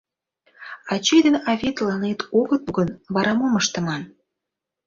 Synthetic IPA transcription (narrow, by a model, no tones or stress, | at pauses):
ɑt͡ɕejd̪ənɑvʲit̪lɑnet̪ʰoɣət̪ɣənβɑɾɑmoməʃt̪ə̆mɑn